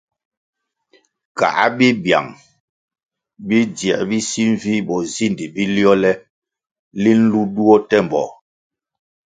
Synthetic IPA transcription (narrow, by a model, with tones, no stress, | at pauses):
ka̰˨ʔa˦bi˦bja̰˨ŋ | bi˦djɛ̰˨ʔbi˦si˦ɱ˦vi˦bɔ˨zi˦˨ndi˨bi˦ljɔ˦lɛ˦ | li˦n̩˦lu˦du˦ɔ˦tɛ˦m˨bɔ̰˨